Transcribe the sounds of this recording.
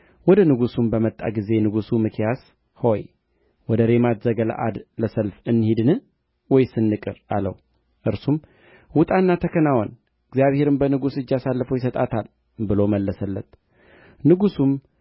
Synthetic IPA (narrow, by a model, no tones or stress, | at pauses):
wɔd̪ənɨɡusumbəmət̪ʼːa̰ɡize̞nɨɡusumɨkʰjas | ho̞j | wɔd̪əɾe̞mat̪zəɡəla̰ʔa̰d̪ləsəlfɨnːhid̪nɨ | wɔjsɨnːɨkʼɨɾalə̰w | ʔɨɾsum | wʊt̪ʼanːat̪ʰəkʰənawɔn | ɨɡzijaβhe̞ɾɨmbənɨɡusɨd͡ʒːasalːəfəwjɪsət̪ʼat̪ʰal | bɨloməlːəsəlːət̪ | nɨɡusum